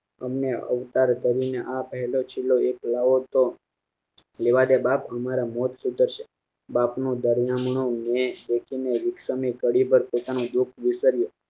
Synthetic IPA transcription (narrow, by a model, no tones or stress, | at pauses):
əmneə̰ʋt̪aɾkəɾineʔapəɦɛlot͡ʃʰilːoeklaʋot̪o | leʋad̪ebapəmaɾamɔt̪sut̪əɾʃe | bapnũd̪əɾjamɳõmebekʰineʋɪksəmikəɽibəɾpot̪anõd̪ukʰʋɪsəɾjo